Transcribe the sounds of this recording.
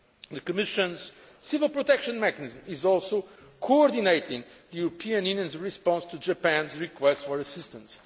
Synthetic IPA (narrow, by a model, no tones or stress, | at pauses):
ðɨkɨmɪʃɨ̃nz̥ | sɪvəlˠpɹɔt̪ɛkʃə̃nmɛkənizmizɔlˠsoʊkʰoɔɾd̪ineɪt̪ʰɪ̃ŋðɨjuɾəpʰĩɨ̃njʉ̃njə̃nzɹispɑ̃nst̪ʰud͡ʒəpæ̃nzɹikwɛstfɔɹɐsɪst̪ə̃ns